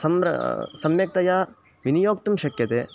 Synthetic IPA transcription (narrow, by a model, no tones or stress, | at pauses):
sɐmɾɐ̰sɐmjɐk̚t̪ɐjaː | ʋinijoːk̚t̪ɐmʃɐkjɐt̪eː